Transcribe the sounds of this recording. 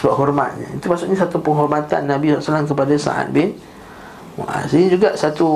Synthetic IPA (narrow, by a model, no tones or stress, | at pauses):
səbaɦɔrma̰t̪̚ɲa̰it̪umaʔsʊkɲasat̪upəŋɦɔrmat̪a̰nːabisɔlasalamkəpadasa̰ʔa̰t̪̚bɪn̰ | ʔa̰saind͡ʒuɡaʔsat̪u